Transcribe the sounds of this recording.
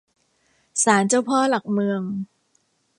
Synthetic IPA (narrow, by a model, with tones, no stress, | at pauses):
saː˩˦nt͡ɕa˥˩wpʰɔː˥˩la˨˩k̚mɯ˧əŋ